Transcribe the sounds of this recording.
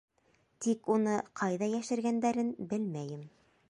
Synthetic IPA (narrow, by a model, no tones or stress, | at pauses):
t̪ikunɤqʰɑjðɑjæʃɘ̆ɾɡænd̪æɾɘnbɘlmæjɘm